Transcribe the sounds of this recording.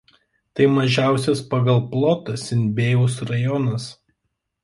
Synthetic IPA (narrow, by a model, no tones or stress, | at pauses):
t̪ɐɪmɐʒʲæˑʊsʲɛspɐɡɐlˠplˠɔt̪ɐsʲɪnʲbʲeːjʊsɾɐjɔnɐs